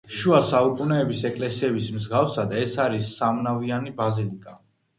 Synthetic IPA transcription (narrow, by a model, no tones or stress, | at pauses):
ʃuasaukʼunɛːbisɛkʼlɛsiɛbismzɡafsad̪aɛsaɾisːamnavianibazilikʼa